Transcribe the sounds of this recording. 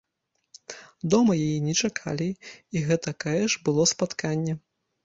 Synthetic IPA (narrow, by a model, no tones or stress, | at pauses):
d̪ɔmɐjajinʲɛt͡ʂakʰa̰lʲiiɣɛt̪ɐkaɛʂbɨlˠɔspat̪kʰanʲːɛ